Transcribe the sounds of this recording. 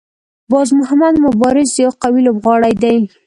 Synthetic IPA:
bɑzmʊhamad̪mʊbɑɾɪzd̪əjawqawilobɣɑɽajd̪aj

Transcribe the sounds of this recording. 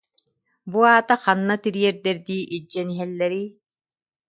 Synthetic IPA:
buaːt̪aχanːat̪iɾiɛɾd̪ɛɾd̪iːʔid͡ʒːɛniɦɛlːɛɾiː

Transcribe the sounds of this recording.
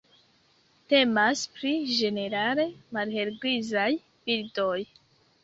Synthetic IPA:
te̞maspɾid͡ʒe̞ne̞ɾale̞malhe̞lɡɾizaj | bildo̞j

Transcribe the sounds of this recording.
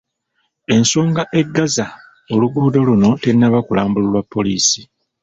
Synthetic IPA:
e̞nsoːŋɡaʔe̞ɡːaza | o̞luɡuːdo̞luno̞tenːaβakulaːmbululwapːo̞liːsi̥

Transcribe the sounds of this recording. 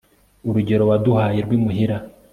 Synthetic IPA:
uɾuɟe̞ɾo̞waduhaːjeɾɡwiːmuɦiɾa

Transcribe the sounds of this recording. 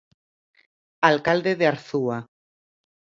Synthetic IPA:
alkald̪eðeaɾθua

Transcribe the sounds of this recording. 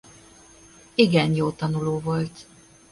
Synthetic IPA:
iɡɛnjoːt̪ɒnuloːvo̞lt̪

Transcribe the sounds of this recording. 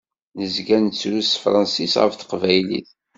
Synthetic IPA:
nəzɡænt͡sːɾusfɾˤɑnsisʁə̰fθə̥qvæjlḭθ

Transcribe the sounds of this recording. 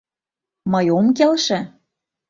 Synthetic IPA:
mɤjomkelʃĕ

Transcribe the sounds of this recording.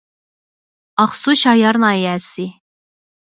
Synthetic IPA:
ɑχsuʃɑjɑɾnɑjæːsi

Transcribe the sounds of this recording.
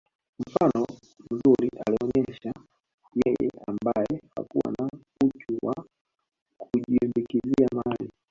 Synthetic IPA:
m̩fanɔ | m̩zuliʔaliɔɲɛʃa | jɛjɛ̰ambajɛha̰kuwa̰na | utuwa | kʰuʄimbikiziamali

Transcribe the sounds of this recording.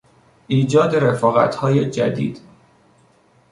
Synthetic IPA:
ʔiːd͡ʒɒːd̪e̞ɾe̞fɒːɣæ̰t̪ʰhɒːjed͡ʒæ̰d̪ḭːd̪̥

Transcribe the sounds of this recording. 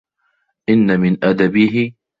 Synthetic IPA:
ʔɪnːamɪnʔad̪abiːɦɪ

